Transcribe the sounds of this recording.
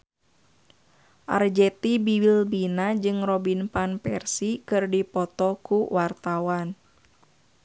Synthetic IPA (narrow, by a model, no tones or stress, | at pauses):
ʔa̰rd͡ʒɛt̪ibiwilbinad͡ʒɨŋrɔbinpanpɛrsikɨrdipɔt̪ɔkuwart̪awan